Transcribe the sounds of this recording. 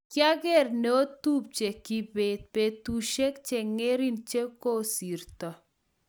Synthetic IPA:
kja˦ɡɛ˦rne˨o˦t̪u˦p̚t͡ʃe˨ki˨be˨t̪̚pe˨t̪u˨ʃe˦kt͡ʃe˨ŋe˦ɾi˦nt͡ʃe˦ko˦si˨rt̪ɔ˨

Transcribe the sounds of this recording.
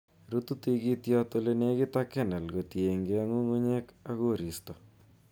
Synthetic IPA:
ɾu˦t̪u˦t̪i˦ɡi˦t̪jɔ˦t̪o˦le˦ne˦ɡɪ˦t̪a˦kɛ˦na˨lɡo˨t̪je˨ŋɡea˦ŋu˦ŋo˦ɲe˦ka˦ɡo˦˨ɾi˨stɔ˨

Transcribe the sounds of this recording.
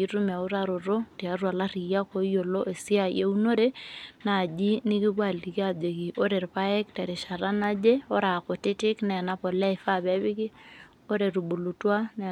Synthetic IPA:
i˦ɾu˦m˨a˨u˦ɾa˨ɾo˨ɾo˦ti˨a˦rwa˨la˦ri˨ja˦ko˦jo˨lo˦ʔe˨si˦a˦˨je˦u˦no˦ɾe˦na˨d͡ʒi˦nɪ˦ki˦bwa˦˨lti˨ki˦a˨d͡ʒe˨ki˨ʔo˦ɾe˨ɾpa˦e˦kta˨ɾi˨ʃa˨ɾa˦na˦d͡ʒe˦o˦ɾa˨ko˨tɪ˦tɪ˦knɛ˨na˦pɔ˨lɛ˦ɪ˨fa˦bɛ˦βɪ˦kɪ˦ | o˦ɾe˨ɾu˨bu˨lu˨twa˦n

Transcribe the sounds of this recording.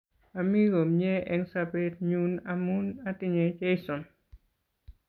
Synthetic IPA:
a˨mi˦ɡo˨mɲɛ˦ʔɛ˧ŋsabe˦t̚ɲunamu˦na˦tɪ˦ɲɛ˨t͡ʃe˦jsɔ˨n

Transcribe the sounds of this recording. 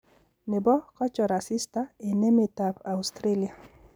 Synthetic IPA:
ne˨bɔ˦kɔ˦t͡ʃɔ˨ɾa˨si˦st̪ae˨ne˦met̪apa˨ust̪ɾe˦lia˨

